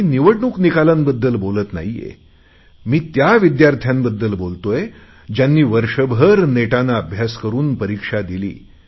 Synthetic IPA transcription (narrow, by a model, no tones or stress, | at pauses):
iniʋəɽɳuːknikalənbəd̪ːəlbolət̪na̰ɦijḛ | miːt̪jaʋid̪jaɾt̪ʰjãmbəd̪ːəlbolt̪oje | d͡ʑjanːiːʋəɾʂəbʱəɾneʈanaːbʱjaskəɾuːnpəɾikʂad̪ilḭː